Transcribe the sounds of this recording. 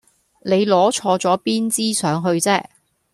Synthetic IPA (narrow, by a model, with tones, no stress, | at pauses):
ne˨˧jlɔː˨˥t͡ʃʰɔː˧t͡sɔː˨˥piː˥nt͡siː˥sœː˨˥ŋɦɵ˧ɥt͡sɛː˥